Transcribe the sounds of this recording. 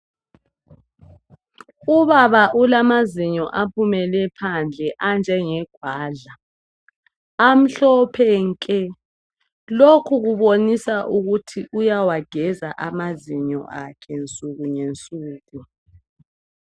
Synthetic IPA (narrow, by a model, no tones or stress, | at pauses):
uβaβaʔulamaziɲɔʔapʰumɛlɛpʰand͡ɮʱɛʔand͡ʒʱɛŋɛɡ̥ʱwaːɮa | am̩ɬɔpʰɛŋkʼɛ | lokʰuɣuβonisaʔuɣutʰiʔujawaɡ̥ʱɛzaʔamaziɲɔ̰ʔakʰɛnt͡sʼuɣuɲent͡sʼuːɣu